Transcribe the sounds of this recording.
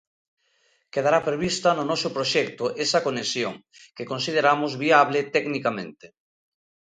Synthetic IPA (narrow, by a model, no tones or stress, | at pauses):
keðaɾapɾeβist̪ɐnʊnɔsʊpɾoʃɛk̚t̪ʊʔesakonesjoŋ | kekonsið̞eɾamʊzβiaβlet̪ɛɡnikamẽnt̪e